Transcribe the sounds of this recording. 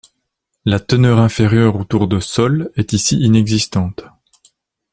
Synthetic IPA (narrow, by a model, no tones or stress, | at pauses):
lat̪ənœʁɛ̃feʁjœʁot̪uʁd̪əsɔlɛt̪isiinɛɡzist̪ɑ̃t̪